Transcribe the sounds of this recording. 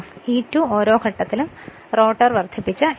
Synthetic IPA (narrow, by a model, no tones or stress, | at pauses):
iːtːuːo̞ːɾo̞ːkʰɐʈːɐt̪ːilum | ro̞ːʈːɐrʋɐrd̪ʰʱipːit͡ɕːɨ